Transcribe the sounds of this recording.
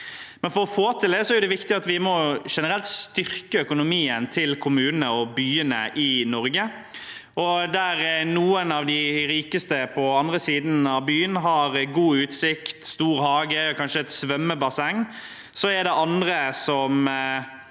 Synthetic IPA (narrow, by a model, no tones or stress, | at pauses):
mɛnfɔɾɔfoːt̪ʰɪld̪ɛsɔæɾjʊd̪ɛʋɪkt̪ɪɑt̪ʋɪmɔʂɛnəɾɛlt̪st̪ʏɾkəœkʊnʊmiːənt̪ʰɪlkʰʊmʉːnənəɔbyːənəʔɪnɔɾɡə | ɔd̪æɾnuːənɑʋd̪ɪɾiːkəst̪əpʰɔɑnd̪ɾəsiːd̪n̩ɑʋbyːənɦɑɾɡuːʉːt̪sɪkt̪st̪uːɾhɑːɡəɔkʰɑnʂəɛt̪sʋœmːəbɑsɛŋː | sɔɛd̪ɛʔɑnd̪ɾəsɔm